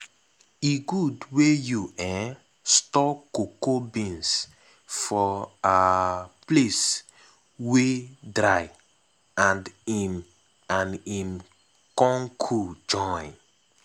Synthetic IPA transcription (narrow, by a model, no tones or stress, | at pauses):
iɡudwejuʔɛ̃ | stɔkokobĩns | fɔaples | wedɾaj | ãndim | ãnĩm | kɔ̃ŋkʰud͡ʒɔ̃ɪ̃n